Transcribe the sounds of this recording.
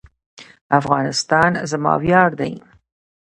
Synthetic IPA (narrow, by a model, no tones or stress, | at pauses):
afɣɑnɪst̪ɑnzmɑ̰wjɑɾd̪aj